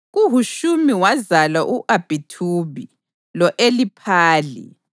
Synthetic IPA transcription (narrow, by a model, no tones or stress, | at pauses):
ɣuɦuʃumiwazalaʔuʔab̥ʱitʰuβi | lɔʔelipʰaːlḭ